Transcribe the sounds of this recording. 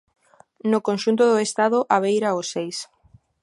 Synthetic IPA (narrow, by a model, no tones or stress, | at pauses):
nokonʃunt̪ʊðʊest̪aðʊʔaβ̞ejɾaosejs